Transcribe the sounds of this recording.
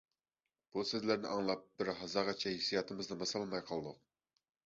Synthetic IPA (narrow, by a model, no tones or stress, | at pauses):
b̥usɪzlæɾnɪʔɑŋlˠɑp̚bɪɾɦɑzɑʁɑt͡ʃʰɛhisijɑt̪ʰɨmɨznɨmɑsɑlˠmɑjqʰɑlˠd̪ʊq̚